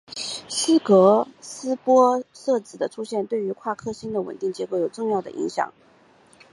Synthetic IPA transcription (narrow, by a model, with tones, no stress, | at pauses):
sɹ̩˥kɤ˧˥sɹ̩˥pwɔ˥ʂɤ˥˩t͡sɹ̩˨˩d̪ə˦ʈ͡ʂʰu˥ɕjɛ˥˧nt̪we˥˩ɪy˧˥kʰwa˥˩kʰɤ˥ɕi˥nd̪ə˨wə̰˨˩nt̪i˥˩ŋt͡ɕjɛ˧˥ko˧˥jo˨˩ʊʈ͡ʂʊ˥˧ŋjɑ˥˩ʊd̪ə̰˩ʔḭ˧˥ŋɕjɑ̰˨˩˦ŋ